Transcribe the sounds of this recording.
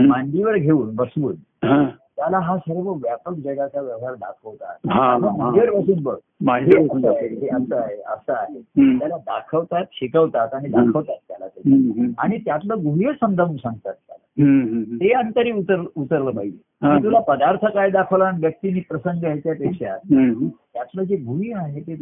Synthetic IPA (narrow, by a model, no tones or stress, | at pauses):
maɳɖiʋəɾɡʱeuːnbəsʋuːn | ɦã | t̪jalaɦasəɾʋəʋjapək̚d͡zəɡat͡ɕaʋjəʋɦaɾd̪a̰kʰəʋt̪a̰t̪̚ɦaaəmiʋəɾbəsuːnbəɡ̚ | maɦeəsaɦeɦeəsəaɦeə̰səaɦet̪jalad̪a̰kʰəʋt̪at̪ɕikəʋt̪at̪aɽ̃id̪akʰəʋt̪at̪̚ːja̰la̰t̪ulia̰ɽ̃it̪jat̪ləɡʱuiəsə̃nd̪ʱəʋunsãŋɡt̪at̪ːja̰la̰t̪eənt̪əɾiːut̪əɾut̪əɾləpaɦid͡ʑe | it̪ulapəd̪aɾt̪ʰəkaed̪akʰəʋlaniʋjək̚t̪iniːpɾəsəŋɡəajt͡ɕjapekʂja̰t̪̚t̪jat̪ləd͡zeɡʱuɦiaɦet̪e